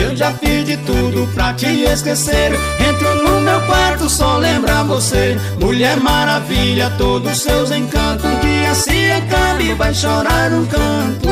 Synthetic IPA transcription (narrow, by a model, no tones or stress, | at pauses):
ewʒafizd͡ʒɪt̪ud̪ʊpɾɐt͡ʃɪeskeseɾ | ẽnt̪ɾɪumũd̪ʊɛwkwaɾt̪ʊsɔlẽmbɾavose | muʎɛɾmaɾaviʎɐt̪od̪ʊsewzẽkɐ̃t̪ʊskɪasĩekabɪvajʃoɾaɾʊ̃kɐ̃t̪ʊ